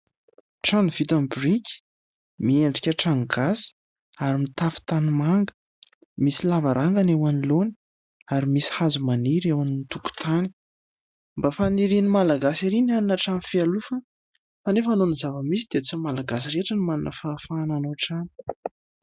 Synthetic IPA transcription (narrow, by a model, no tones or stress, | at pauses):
ʈ͡ʂaniv̥it̪ambrikʲi̥ | mieɳɖ͡ʐikʲəʈ͡ʂaŋɡasi̥ | aɾimit̪afi̥t̪animaŋɡə̥ | misilavaɾʔaŋɡanewaniloni̥ | aɾimisi̥hazumaniɾewaninit̪uku̥t̪ʰani̥ | mbafaniɾinimalaɡasiɾinianinaʈ͡ʂanfialufə | fanefanonizavəmisid̪et͡simalaɡas̬iɾeʈ͡ʂənimaninə̰fafaːnanoʈ͡ʂani̥